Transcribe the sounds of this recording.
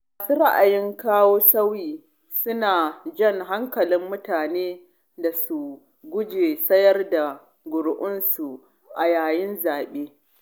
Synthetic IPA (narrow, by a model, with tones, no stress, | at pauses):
maː˨su˦ɾa˦ʔa̰˨jɪ˦ŋkaː˦woː˦sɐ˦wiː˨ | sʊ˦naː˨d͡ʒɐ˦ŋɦa˦ŋkɐ˨lɪ˦mːʊ˦taː˨neː˦ | da˨su˨ | ɡʷʊ˦d͡ʒeː˨sɐ˦jɐ˦rda˨ | ɡʷʊ˨ɽʔʊ˦nsu˨ | ʔa˨jaː˨jɪ˦nzaː˨ɓeː˦